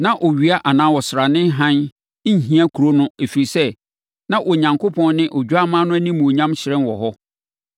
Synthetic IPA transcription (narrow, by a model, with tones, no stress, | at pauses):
nã˦ʔɔ˨ɥi˨a˦ʔa˨nã˦wɔ˨sɾa˨nɪ̃˦ɦã˦n˦ | ɲ˨ɦĩ˦a˦kʰu˨ɾo˦nʊ̃˦e˨fi˨ɾi˨sɛ˦ | nã˦ʔɔ˨ɲã˨ŋkʰo˦pʰɔ̃˦n˦nɪ̃˦ʔɔ˨d͡ʑᶣu˦a˦mãː˦nʊ̃˦æ˦nĩ˦mũ˨ɲã˦mɕɪ˨ɾɛ̃˦nwɔ˨ɦɔ˦